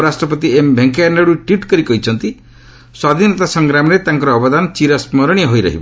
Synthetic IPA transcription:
ɾasʈɾɔpɔt̪iembʱeŋkaneɽuʈwiʈkɔɾikɔɦit͡ʃʰɔnt̪i | swad̪ʱinɔt̪asɔŋɡɾamɔɾet̪aŋkɔɾɔːbɔd̪anɔt͡ʃiɾasmɔɾɔɽ̃iɔɦojɾɔ̰ɦibɔ

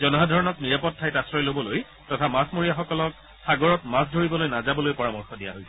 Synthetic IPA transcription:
zɔnɔɦadʱɔɹɔnɔkniɹapɔtʰːajtasɹɔjlobɔloj | tɔtʰamasmoɹijaxɔkɔlɔk̚ | saɡɔɹɔtmas̬dʱoɹibɔlojnazabɔlojpɔɹamɔɹxɔdija̰ɦojsɛ

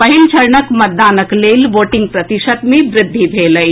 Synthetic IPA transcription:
pəɦilt͡ʃʰəɾɳəkmət̪̚d̪aːnəklelʋoːʈɪ̃ŋɡ̚pɾət̪isət̪mẽʋɾɪd̪ʱːibʱeləj

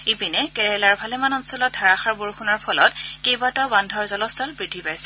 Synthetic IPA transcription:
ipinɛkɛɹɛlaɹbʱalɛmanɔnsɔlɔt̚dʱaɹaxaɹboɹxunɔɹpʰɔlɔt̚kejbatɔbandʱɔɹzɔlɔstʰɔlbɹidʱːipajsɛ̥

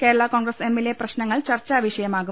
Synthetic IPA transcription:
ke̞ːɾɐɭakoːnɡɾɐsemːeleprɐɕnɐŋːɐɭt͡ɕɐrt͡ɕːaːʋiɕɐjɐmaːɣu

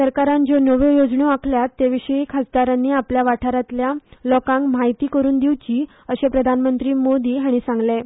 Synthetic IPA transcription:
səɾkaɾãnd͡zonəʋõjod͡zɳoakʰljat̪ːeʋiɕəikʰad͡zd̪aɾanːiːapljaʋaʈʰaɾat̪ljalɔkãŋkm̤ajt̪iːkəɾuːnd̪iʋt͡ɕiː | əɕepɾəd̪ʱanmənt̪ɾiːmod̪iːɦaɽ̃isãŋɡle

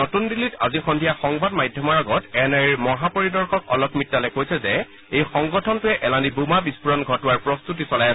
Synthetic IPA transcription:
otundilita̰zixɔndʱijaxɔŋbadmajdʱjɔmɔɹaɡɔtɛnɛɹiɹmɔɦapɔɹidɔɹxɔkɔ̰lɔkmitːalɛkojsɛzɛ | ejxɔŋɡɔtʰɔntʊɛʔɛlandibumabispuɹɔnɡʱɔtʊwaɹpɹɔst̪utisɔlajaɛ

